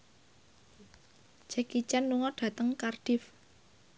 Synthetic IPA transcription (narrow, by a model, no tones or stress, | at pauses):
d͡ʒ̥ɛkit͡ʃanːuŋɔɖ̥ä̤t̪əŋkarɖ̥ɪf